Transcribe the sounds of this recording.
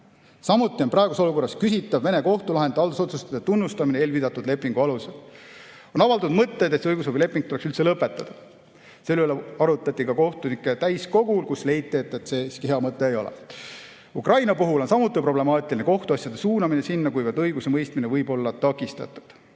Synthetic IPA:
sɑmut̪ːˑio̞nprɑeɡuso̞luko̞rːɑskysit̪ːˑɑvvene̞ko̞ht̪ulɑɦed̪eɑld̪uso̞t̪sust̪ɑ̥d̪et̪unːust̪ɑmineeːlvid̪ɑt̪ːˑud̪le̞pːˑiŋɡ̥uɑlusel | o̞nɑvɑlt̪ud̪̥mɤt̪ːe̞d̪et̪sɤjɡus̬obile̞pːˑiŋɡ̥̚t̪uleksylt̪se̞lɤpːˑe̞t̪ːˑɑd̪̥ɑ | selyleɑɾut̪ːˑɑt̪ʲːˑikɑko̞ht̪unikːˑet̪æjsko̞ɡulkusle̞jt̪ːˑiet̪ːˑe̞t̪se̞skiheɑmɤt̪ːˑe̞ːjo̞̰lɛ̰ | ukrɑjnɑpuɦulo̞nsɑmut̪ːˑipro̞ble̞mɑːt̪ˑiline̞ko̞ht̪uɑsjɑd̪̥e̞suːnɑminesinːɑkujvɑrd̪ɤjɡ̥use̞mɤjst̪minevɤjbo̞lːɑt̪ɑkːˑist̪ɑ̰t̪ːˑu̥d̪̥

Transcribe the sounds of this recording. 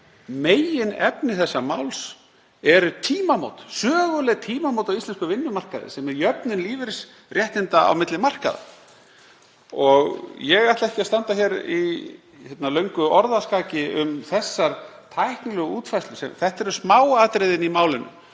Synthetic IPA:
meːjɪnɛpnɪθɛsːamaːwls | ɛɾʏt̪ʰiːmamo̰wt̪sœːɣʏlɛɣt̪ʰiːmamowt̪awist̪ɛnskʏvɪnːʏmar̥kaðɪ̰sɛmɛðjœpnɪnliːvɪɾs | rjɛht̪ɪnt̪aa̰wmɪt̪lɪmar̥ka̰ða̰ | ɔɣjɛɣat̪laɛhcɪast̪ant̪açɛɾi | çhɛt̪nalœɥŋkʏɔɾðaskaːcɪʏmθɛsːaɾt̪ʰajhknɪlɛɣuːt̪fajst̪lʏsɛ̰mθɛht̪ɛɾʏsmaːwaːt̪ɾɪðɪnimaːwlɪnːʏ̰

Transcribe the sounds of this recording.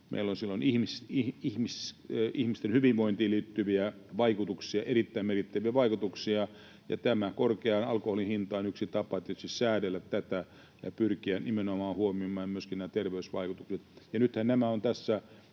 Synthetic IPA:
mʔḛilːonsilːonihmisihihmisihmist̪enhyʋiʋʋoint̪iːliːt̪ːyʋiæʋɑikut̪uksiɑʔerit̪ːæimerkit̪ːæʋiæʋɑikut̪uksiɑ | jɑ̰t̪æmækorkeɑnɑlkoholinhint̪ɑinyksit̪ɑpɑet̪ːet̪sissæːdelːæt̪t̪æt̪æ | jɑ̰pyrkiænimenomɑːhuomimːˑɑjmyøskinnæːt̪erʋeysʋɑ̰ikut̪ukset̪jɑnyt̪hænnæmæont̪æsːæ

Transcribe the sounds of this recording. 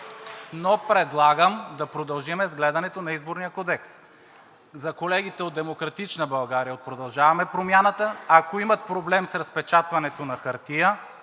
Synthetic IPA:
nopɾɛd̪lˠaɡəmd̪ɐpɾod̪ɐlˠʒimɛzɡlɛd̪ɐnɛt̪onɐizboɾnijəkɔd̪ɛks | zɐkolɛɡ̟it̪ɛod̪d̪ɛmokɾɐt̪it͡ʃnəbɐlˠɡaɾijəot̪̚pɾod̪ɐlˠʒavɐmɛpɾomʲjanət̪əːkoimɐt̪̚pɾoblɛmsɾɐspɛt͡ʃat̪vɐnɛt̪onɐxɐɾt̪ijə

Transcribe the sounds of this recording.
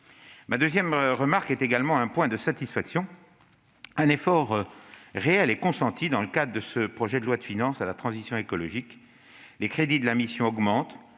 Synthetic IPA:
mad̪øzjɛmʁəmaʁkɛt̪eɡalmɑ̃ɛ̃pwɛ̃d̪əsat̪isfaksjɔ̃ | ɛ̃nefɔʁʁeɛlekɔ̃sɑ̃t̪ʰid̪ɑ̃ləkad̪ʁəd̪əsəpχɔʒɛd̪əlwad̪əfinɑ̃salat̪χɑ̃zisjɔ̃ekɔlɔʒik | lekχed̪id̪əlamisjɔ̃ɔɡmɑ̃t̪

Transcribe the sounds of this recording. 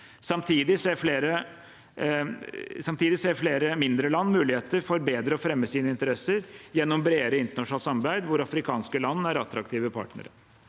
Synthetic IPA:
sɑmt̪ʰiːd̪ɪseːɾfleːɾə | sɑmt̪ʰiːd̪ɪseːɾfleːɾəmɪnd̪ɾəlɑnːmʉːlɪheːt̪əɾfɔɾbeːd̪ɾəɔfɾɛmːəsiːnəɪnt̪əɾɛsəɾjɛnːɔmbɾeːɾəɪnt̪əɳɑʂn̩ɑlsɑmɑɾbæɪd̪ʋʊɾɑfɾɪkʰɑːnskəlɑnːæɾɑt̪ɾɑkt̪iːʋəpʰɑ̰ːʈnə̰ɾə̰

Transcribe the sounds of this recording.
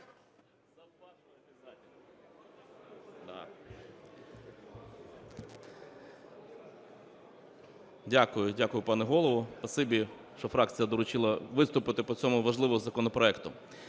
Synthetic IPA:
d̪ | dʲakʊjʊdʲakʊjʊpɑnɛɦɔlˠɔʋɔpɐsɪbʲi | ʃt͡ʃɔfɾɑk̚t͡sʲijɐd̪ɔɾʊt͡ʃɪlˠɐʋɪst̪ʊpɪt̪ɪpɔt͡sʲɔmʊʋɐʒlˠɪʋɔɦɔzɐkɔnɔpɾɔɛkt̪ʊ

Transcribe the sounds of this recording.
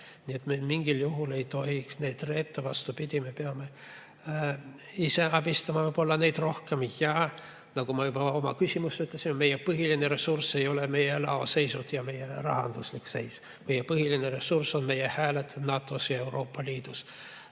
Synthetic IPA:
nʲie̞t̪memiŋɡ̥iljuɦule̞jt̪o̞hiksne̞ːd̪re̞ːt̪ːevɑst̪upid̪̥ʲime̞peɑme̞ | ise̞ɑb̥ist̪ɑmɑvɤjb̥o̞lːɑne̞jd̪̥ro̞hke̞mijɑː | nɑɡumɑjubɑo̞mɑ̰kysʲimusyt̪lesimme̞jːepɤɦilineɾe̞surse̞jo̞leme̞jelɑ̰o̞se̞jsut̪jɑme̞jerɑ̰ɦɑ̰nd̪̥uslikse̞js | me̞jepɤɦilineɾe̞surso̞nme̞jehæːlet̪nɑːt̪ːˑo̞sjɑe̞wɾo̞ːpːɑliːd̪̥us

